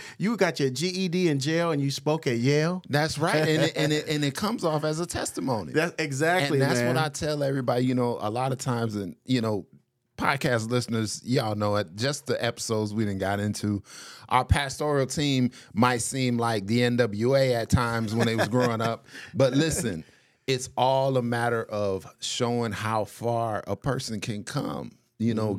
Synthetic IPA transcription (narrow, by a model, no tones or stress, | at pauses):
jɨvɡɑt͡ʃə˞d͡ʒiidiɨ̃nd͡ʒeɪlˠə̃njɨspoʊkɨt̚jɛɪlˠðætsɹaɪtɨ̃nʔɨ̃nɨ̃nɨt̚kʰʌ̃mzɔfɨzətʰɛstəmõʊ̃nḭðæsɪɡzæk̚ɨ̃linðætswʌɾaɪtʰɛlˠɛvɹibɑɾijɨnoʊʔə̰lɑɾʌv̥tʰãɪ̃mzɨ̃njɨnoʊ | pʰɑ̰d̚kʰæstˡlɪsnə˞z̥jɨnoʊɪt̚d̥ʒ̥ʌsðiʔɛpə̥soʊdzwivɨ̃n̩ɡɑɾɪ̃ntʰʉʔaʊə˞pʰæstɔɹil̩ˠtʰĩmːaɪtsĩmlaɪk̚ðiɛ̃ndʌbl̩ˠjʉeɪɨtʰãɪ̃mzwə̃nɨt̚wʌzɡɹoʊɪ̃ŋʌp̚b̥ʌtˡlɪsɨ̃n | ɪtsɔlˠəmæɾə˞ʔʌv̥ʃoʊɪ̃ŋhaʊfɑɹə̰pʰɜ̰˞sɨ̃nkʰɨ̃nkʰʌ̰̃m | jɨnoʊ